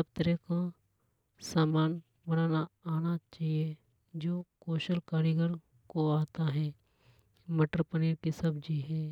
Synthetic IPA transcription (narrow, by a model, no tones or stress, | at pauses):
sɐb̚t̪əɾeka | saːmaːn | bənaːnaaːnat͡ʃaːɦie | d͡ʒoːkoːʃəlkaːɾiɡəɾ | koaːt̪aɦɛː | meʈɾpəniːɾkisɐbd͡ʒiɦɛː